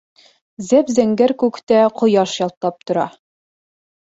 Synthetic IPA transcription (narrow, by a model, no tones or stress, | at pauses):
zæpzæŋɡæɾkʉkt̪æqŏjɑʃjɑlˠt̪ːɑp̚t̪ŏɾɑ